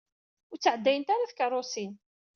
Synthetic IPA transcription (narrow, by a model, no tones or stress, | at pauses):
ʊɾt͡sːəʕəd̪ːæjənt̪aɾaθkərˤːosin